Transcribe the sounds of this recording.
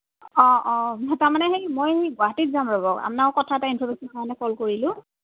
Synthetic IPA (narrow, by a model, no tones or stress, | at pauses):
ɔʔɔtaɹmanɛɦejmojɡʊaɦatitzamɹɔbɔka̰pnaʊkɔtʰaɛtainpʰɔmesɔnamanɛkʰɔlkoɹilʊ̃